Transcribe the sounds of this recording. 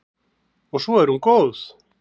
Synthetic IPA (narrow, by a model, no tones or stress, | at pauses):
oʃueɾuŋkos